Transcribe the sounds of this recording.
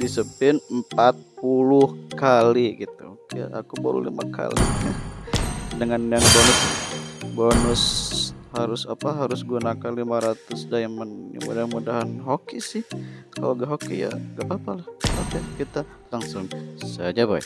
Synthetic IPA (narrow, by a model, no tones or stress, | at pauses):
disəpɪnəm̩pat̪̚pulʊhkaliɡit̪ṵkja̰ʔakuba̰ɾṵlḭma̰kʰa̰lḭa | dəŋanjaŋbonʊs | bonʊshaɾʊsapaɦaɾʊsɡunakanlimaɾat̪ʊsdamənja̰ŋmudahanmudaɦanɦokisɪhka̰loɡaɦokija̰ɡapapalahakakit̪a | laŋsʊŋsad͡ʒabaḭk